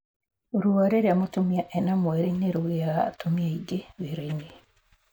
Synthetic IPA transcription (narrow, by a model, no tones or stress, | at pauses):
oɾuaɾeɾeamotumiaʔɛnamwɛɾeneɾoɣeaatomiaiɡeβeɾaine